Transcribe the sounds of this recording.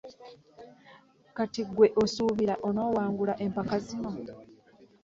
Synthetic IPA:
katiɡwe̞ʔo̞suːβiɾaʔo̞no̞ːwaːŋɡulaʔe̞mpakazino̞

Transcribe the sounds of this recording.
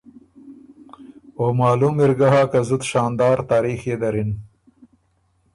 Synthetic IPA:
omɑːlumɪɾɡaɦaːkazʊd̪ʃɑːnd̪ɑːɾt̪ɑːɾiːxed̪ɐɾɪn

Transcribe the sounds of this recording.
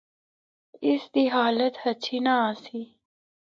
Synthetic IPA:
ɪsd̪iɦaːlət̪hɐt͡ɕʰinaaːsi

